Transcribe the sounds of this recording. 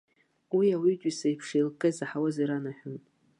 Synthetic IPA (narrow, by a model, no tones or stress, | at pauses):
wiawid͡ʒʷʼisejpʰʂejlkʼɨzaħawaziɾanaħʷᶣʊn